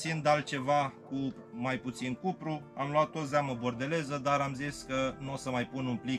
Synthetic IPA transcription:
sind̪alt̪̚t͡ʃe̞vaku | majput̪sinkupɾuamluat̪ːo̞t̪zaməbo̞rd̪e̞le̞zəd̪aɾamziskənuosəmajpununpli

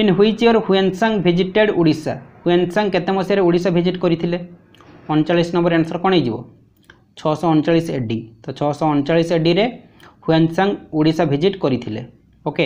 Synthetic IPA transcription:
inɦujt͡ʃʰioɾhuensaŋbʱid͡ʒiʈeɽuɽisa̰huensaŋket̪emɔsiaɾeuɽisabʱid͡ʒiʈkoɾit̪ʰile | ɔnt͡ʃaɭːisnɔmbɔɾeñsɔɾkɔɽ̃ejd͡ʒibɔ̰ | t͡ʃʰɔsɔɔnt͡ʃaɭːiseɖit̪ɔt͡ʃʰɔsɔːnt͡ʃaɭːiseɖiɾe | huensaŋuɽisabʱid͡ʒiʈkoɾit̪ʰilḛ | oke

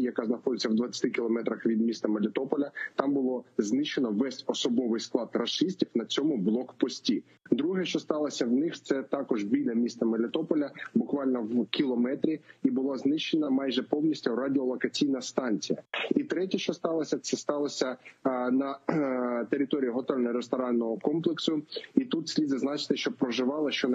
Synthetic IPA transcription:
jɐkɑznɐxɔd̪ɪt͡sʲːɐwd̪ʋɐt͡sʲːɐ̥t̪ɪkʲilˠɔmɛt̪ɾɐxʋʲid̪mʲist̪ɐmelʲɪt̪ɔpɔlʲɐt̪ɑmbʊlˠɔznɪʃt͡ʃenɔʋɛsʲɔsɔbɔʋɪjsklˠɑd̪rɐʃɪsʲtʲiwnɐt͡sʲɔmʊblˠɔkpɔsʲtʲi | d̪ɾuɦɛʃt͡ʃɔst̪ɑlˠɐsʲɐwnɪxt̪sɛt̪ɑkɔʒbʲilʲɐmʲist̪ɐmelʲɪt̪ɔpɔlʲɐbʊkʋɑlʲnɔwkʲilˠɔmɛt̪ɾʲiibʊlˠɑznɪʃt͡ʃːenɐmɑjʒɛpɔwnʲisʲtʲʊɾadʲɪɔlˠɔkɐt͡sʲijnɐst̪ɑnʲt͡sʲijɐ̰it̪ɾɛtʲɛʃt͡ʃɔst̪ɑlˠɐsʲɐt̪sɛst̪ɑlˠɐsʲɐnɐ | t̪eɾʲɪt̪ɔɾʲiiɦɔt̪ɔɾʲnɐɾest̪ɔɾɑnːɔɦɔkɔmplˠeksʊit̪ut̪sʲlʲid̪zɐznɑt͡ʃɪ̥t̪ɪʃt͡ʃɔpɾɔʒɪʋɑlˠɪʃt͡ʃɔn

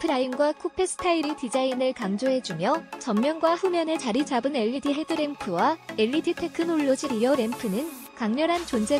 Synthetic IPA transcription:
pʰɯɾainɡwakʰopʰe̞s͈ʰɯ̥tʰaiɾitid͡ʑainɯɭkaŋd͡ʑoɦe̞d͡ʑumjʌt͡ɕʌmːjʌnɡwaɸumjʌne̞t͡ɕaɾid͡ʑabɯne̞ʎːitʰiɦe̞dɯɾe̞mpʰɯwae̞ʎːitʰitʰe̞kʰɯnoɭːod͡ʑiɾiʌɾe̞mpʰɯnɯn | kaŋɲʌɾɦant͡ɕond͡ʑe

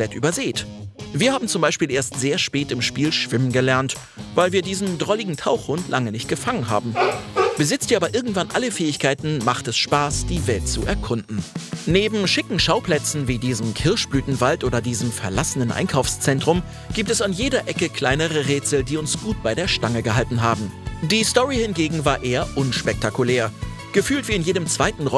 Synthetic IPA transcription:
ɔpl̥ɛtʔy̰ːbɐzeːtviːɐhaːbm̩t͡sʊmbaɪʃpiːlʔeːɐstz̥eːɐʃpɛːtɪmʃpiːlʃv̥ɪmənɡəlɛɐnt | vaɪlviːɐdiːzn̩dʁɔlɪɡŋ̩tʰaʊxhʊntʰlʔaŋənɪçt̚ɡ̥əfaŋənɦa̰ːbm̩b̥əzɪt͡stiːɐaːbɐʔɪɐɡŋ̩tv̥anʔaləfɛːɪçkʰaɪtn̩maχtɛsʃpaːsd̥iːvɛlt̚t͡suʔɛɐkʰʊndn̩neːbm̩ʃɪkŋ̩ʃaʊpl̥ɛt͡sn̩viːdiːzəm̩kʰɪɐʃb̥lyːtn̩valtʔoːɾɐdiːzəmfɛɐlasənənʔa̰ɪnkʰaʊfst͡sɛntʁ̥ʊm | ɡ̥iːp̚tɛsanjeːdɐʔɛkəkʰl̥aɪnəʁ̞əʁeːt͡sl̩diːʊnsɡ̥uːt̚b̥aɪɾeːɐʃtaŋəɡəɦaltn̩ɦaːbm̩ | d̥iːstɔʁihɪnɡeːɡŋ̩vaːɐʔeːɐʔʊnʃpɛk̚takulɛːɐ | ɡ̥əfyːltv̥iːɪnjeːdəmt͡sv̥aɪtn̩ʁɔ

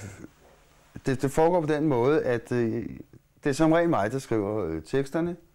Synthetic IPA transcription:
d̥e̝d̥e̝fɒːɡ̥ɒ̰ːpʰɒ̽d̥enmɔ̽ːð̞ˠəʔæd̥ | d̥e̝æɐsɒ̽mʁɛ̰ːnmɑ̈ɪd̥ɑ̈sɡ̥ʁḭʊ̰ɐt͡sʰeɡ̥sd̥ɐnə

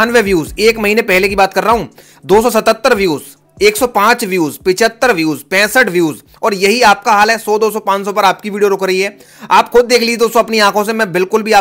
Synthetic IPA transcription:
aːnʋeʋjuːzeːkmɐɦiːnepɛɦlekibaːt̪̚kɐɾːaɦũː | d̪oːs̬ɔs̬ɐt̪ət̪ːəɾʋjuːz | eːksɔpãːt͡ʃʋjuːzpɪt͡ʃʰət̪ːəɾʋjuːzpɛ̃ːsəʈʋjuːz | ɔːɾjɐɦiaːp̚kaɦaːlɦɛsɔːd̪oːsɔpãːt͡ʃsɔ̃pɐɾaːpkiʋiːɖijoɾʊkɾɐɦiɦɛː | aːpxʊd̪̚ːeːkʰlied̪oːsoɐpniãːkʰõs̬emɛ̃bɪlkʊlbʱiaː

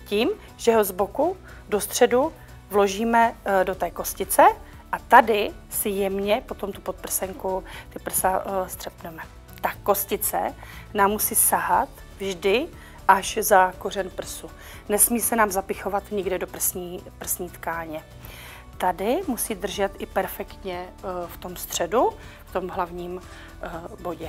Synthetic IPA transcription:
ciːm | ʒɛɦo̞zbo̞ku | do̞st̪r̝̥ɛdu | vlo̞ʒiːmɛdo̞t̪ɛːko̞scɪt͡sɛ | ʔat̪adɪsɪjɛmɲɛpo̞t̪o̞mt̪upot̪̚pr̩sɛŋkut̪ɪpr̩sast̪r̥ɛpnɛmɛ | t̪ako̞scɪt͡sɛ̰naːmːusiːsaɦat̪ | vʒdɪ | ʔaʃzakor̝ɛnpr̩su | nɛsmiːsɛnaːmzapɪxo̞vat̪ɲɪɡdɛdo̞pr̩sɲiːpr̩sɲiːt̪kaːɲɛ | t̪adɪmusiːdr̩ʒɛt̪ʔɪpɛɾfɛkt̪ɲɛft̪o̞mst̪r̝̥ɛduft̪o̞mɦlavɲiːm | bo̞ɟɛ

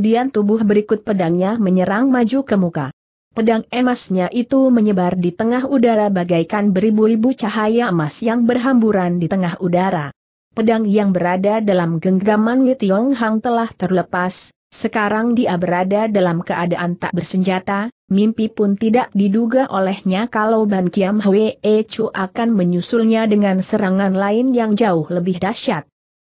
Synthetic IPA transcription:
diant̪ubʊhbəɾikʊt̪̚pədaŋɲaməɲəɾaŋmad͡ʒukəmuka̰ | pədaŋɛmasɲaʔit̪uməɲəbardit̪əŋaɦudaɾabaɡajkanbəɾibuɾibut͡ʃaɦajamasjaŋbərɦambuɾandit̪əŋaɦudaɾa | pədaŋjaŋbəɾadadalamɡəŋɡəɡamanwit̪iɔŋɦaŋt̪əlaht̪ərləpasː | əkaɾaŋdiʔabəɾadadalamkəʔadaʔant̪a̰ʔ̚bərsəɲd͡ʒat̪a | mimpipʊnt̪idaʔdiduɡaʔolɛhɲakalawbankiamɦəweet͡ʃuʔakanməɲusulɲadəŋansəɾaŋanlaɪnjaŋd͡ʒaʊhləbɪhdaʃat̪̚

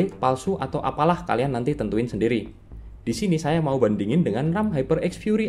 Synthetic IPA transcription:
ipalsuʔat̪awʔa̰palahka̰lianːant̪it̪ənt̪uɪnsəndiɾi | d̥isinisajamaubandiŋɪndəŋanramɦajpərɛksfjuɾi

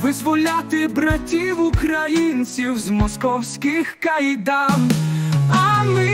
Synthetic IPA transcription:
ʋɪzʋɔlʲat̪ɪbɾatʲiwukɾajinsʲiwzmɔskɔwsʲkʲɪxkɐjd̪am | ɐmɪ

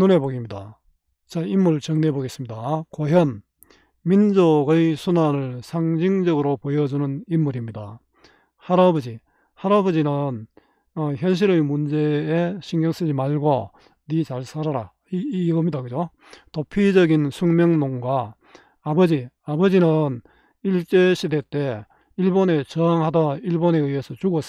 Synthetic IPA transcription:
none̞boɡimɲida̰ | t͡ɕaimːuɭt͡ɕʌŋne̞boɡe̞s͈ɯmɲidakoɦjʌn | mind͡ʑoɡɯjsʰunanɯɭsʰaŋd͡ʑiŋd͡ʑʌɡɯɾopojʌd͡ʑunɯnimːuɾimɲida̰ | haɾabʌd͡ʑi | haɾabʌd͡ʑinɯn | ʌçjʌnɕ̬ʰiɾɯmund͡ʑe̞ːɕʰiŋɡjʌŋs͈ɯd͡ʑimaɭɡo | nit͡ɕaɭsʰaɾaɾa | iɡʌmɲidakɯd͡ʑo | topʰid͡ʑʌɡinsʰuŋmjʌŋnoŋɡwaː | bʌd͡ʑi | abʌd͡ʑinɯn | iɭt͡ɕ͈eɕʰide̞t͈e̞ | iɭbone̞t͡ɕʌaŋɦadaiɭbone̞ɯesʰʌt͡ɕuɡʌs

